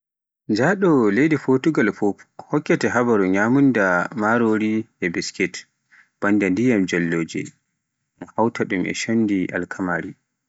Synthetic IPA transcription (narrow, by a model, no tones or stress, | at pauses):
d͡ʒaɗɔlejdifotuɡalfɔhɔkːɛtɛɦabaɾuɲaːmundamaɾoɾiɛbiskɛt | b̥andandijamd͡ʒɛlːoːd͡ʒɛ̰ | hawtʰaɗumʔɛ̰ʃonːdiʔa̰lkʰamaɾi